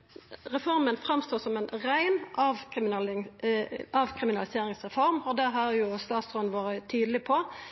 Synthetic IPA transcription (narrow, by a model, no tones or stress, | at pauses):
ʁɛfɔʁmənfʁɑmst̪oːsɔmɛnʁæɪnʔɑːʋkɪm | ɑːʋkʰʁɪmɪnɑlɪseːɾɪŋsʁɛfɔɾmɔd̪æɦɑɾjʊst̪ɑːt̪sʁoːənʋoːɾət̪ʰyːd̪lɪpʰɔ